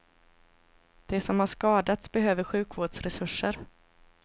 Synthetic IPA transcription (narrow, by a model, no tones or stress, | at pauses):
d̪̥ɛsɔmhaʂkɑːd̪at̪sbɛɦøːvəɾɧʉ̟ːkvoːɖʂɾɛsɵʂːəɾ